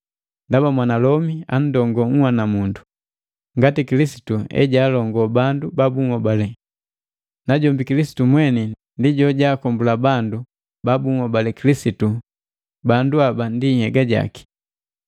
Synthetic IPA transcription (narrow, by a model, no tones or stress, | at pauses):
ndabamwanalɔmian̩dɔŋɡɔŋ̩hwanamundu | ŋɡatikilisi̥tuɛ̰ɟaːlɔŋɡɔbandubabuŋɔbalɛ | naɟɔmbikilisi̥tumwɛnɛ | ndiɟɔɟaːkɔmbulabandu | babuŋɔbalɛkilisitu | banduabandihɛɡaɟa̰ki̥